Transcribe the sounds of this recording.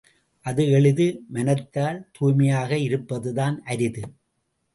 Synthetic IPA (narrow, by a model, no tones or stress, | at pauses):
ʔɐðɯɛɭɯðɯmɐnɐt̪ːaːlt̪uːmɪjaːɣɐɪɾɯpːɐðɯðaːnʔɐɾɪðɯ